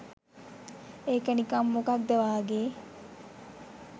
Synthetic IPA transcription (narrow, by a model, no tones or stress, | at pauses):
eːkənikamːokak̚d̪əʋaːɡeː